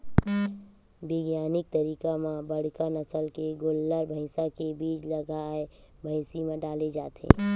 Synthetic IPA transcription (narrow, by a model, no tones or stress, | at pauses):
bɪɡjaːnɪk̚t̪əɾiːkamãbəɽ̤kanəsəlkeɡolːəɾbʱəɪsakebiːt͡ʃləɡaːe | bʱəɪsimẽɖaːled͡ʒaːt̪ḛ̃ː